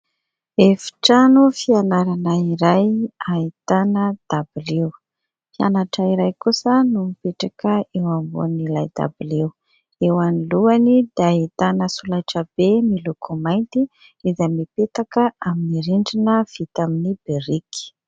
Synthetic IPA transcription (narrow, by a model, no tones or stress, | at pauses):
efi̥ʈ͡ʂanufianaɾanaiɾajait̪anəd̪̥abilew | fia̰naʈ͡ʂəiɾajkusənumipeʈ͡ʂakəewambṵnilajd̪a̰bilew | ewaniluanid̪eait̪anəsulaʈ͡ʂəb̥emilukʰumajnt̪i | izamipet̪akəaminiɾiɳɖ͡ʐinəv̥it̪aminibeɾiki̥